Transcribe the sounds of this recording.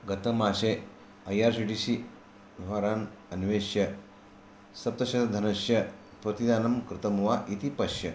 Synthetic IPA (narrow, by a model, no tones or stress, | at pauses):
ɡɐt̪ɐmaːɕe | ɐjaːɾsiʈisi | ʋiʋaɾaːnɐnʋeɕjɐ | sɐp̚t̪ɐɕɐd̪d̪ʱɐnɐɕjɐ | pɾɐt̪id̪aːnɐmkɾɨt̪ɐmʋaʔit̪ipɐɕjɐ